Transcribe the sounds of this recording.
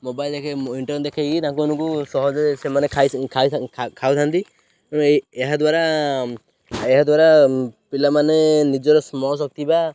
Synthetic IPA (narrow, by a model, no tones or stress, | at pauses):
mɔbajld̪ekʰeiɳʈɔɾnd̪ɛkʰeɡit̪ãŋkuunukusɔɦɔd͡ʒɾɛsɛmanɛkʰakʰakʰawt̪ʰant̪i | neɦad̪waɾa | ɛɦad̪waɾapilamanɛnid͡ʒɔɾɔsmɔsɔk̚t̪iba